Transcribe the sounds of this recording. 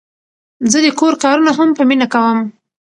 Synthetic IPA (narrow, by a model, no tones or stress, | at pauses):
zəd̪əkoɾkɑɾunaɦampəminakawəm